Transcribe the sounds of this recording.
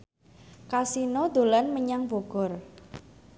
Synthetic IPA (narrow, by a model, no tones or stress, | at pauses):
kasinod̪o̤lanməɲaŋb̥oɡ̥ɔ̤r